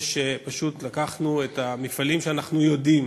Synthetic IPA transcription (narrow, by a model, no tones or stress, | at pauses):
ʃepaʃut̪lakaχnuetamifalimʃeanaχnujo̞dim